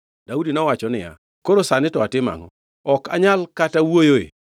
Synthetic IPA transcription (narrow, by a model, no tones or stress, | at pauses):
d̥audinɔwat͡ʃɔnɪ̰ja̰ | koɾosanɪtɔatɪma̰ŋɔ̰ | ɔka̰ɲalkatawojoḛ